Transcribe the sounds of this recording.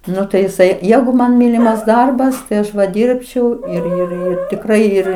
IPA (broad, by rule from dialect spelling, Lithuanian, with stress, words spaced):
ˈnʊ tɐɪ jɪˈsɐɪ ˈjæːɡʊ mɐn ˈmʲiːlʲɪmɐs ˈdɐrbɐs tɐɪ ˈɐʃ ʋɐ ˈdʲiːrʲpʲt͡ʃʲɛʊ ɪr ɪr ˈɪr tʲɪkˈrɐɪ ˈɪr